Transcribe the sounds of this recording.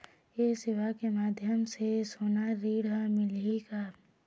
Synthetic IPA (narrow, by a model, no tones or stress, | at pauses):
esɪʋakemaːd̪ʱjəmsesoːnaɾiːɽamɪlika